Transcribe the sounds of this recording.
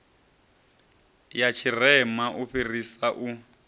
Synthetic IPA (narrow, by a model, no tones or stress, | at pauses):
jat͡ʃʰirɛmaʔuɸirisaʔu